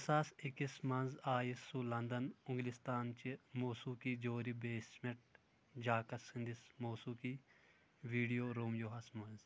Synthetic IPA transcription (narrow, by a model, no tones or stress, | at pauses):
ɐsaːsikismɐnzaːjisulɐnd̪ɐnʊŋɡlist̪aːnt͡ʃimoːsuːkid͡ʒoːɾibeːsmeʈ̚ | d͡ʒaːkɐsĩnd̪ismoːsuːki | ʋiːɖijoːɾoːmjoːɦɐsmɐnz